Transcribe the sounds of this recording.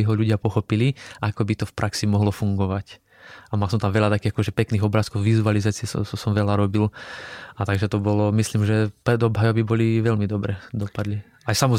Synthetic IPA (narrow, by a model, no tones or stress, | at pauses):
iɦɔʎuɟɪapɔxɔpiliʔakɔbit̪ɔfpɾʔaksimɔɦlɔfuŋɡɔʋac | amals̬ɔmt̪amʋɛʎat̪akiːɣakɔʒɛpɛkniːɣɔbɾaːskɔʊʋizualizaːt͡siɛsɔ̰sɔsɔmʋɛlaɾɔbilat̪aɡʒɛt̪ɔbɔlɔmislimʒɛpɾɛd̪ɔbɦajɔbibɔliʋɛʎmid̪ɔbɾɛd̪ɔpad̪li | ajsamɔz